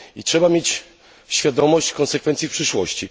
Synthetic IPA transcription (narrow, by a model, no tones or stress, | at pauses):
itʂɛbamʲjet͡ɕ | ɕfʲjad̪ɔmɔɕt͡ɕkɔnsɛkfɛnt̪sjifpʂɘʂwɔɕt͡ɕi